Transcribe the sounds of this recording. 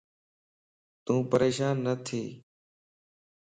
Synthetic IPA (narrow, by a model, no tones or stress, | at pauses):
t̪ũːpəɾeːʃaːnːət̪ʰiː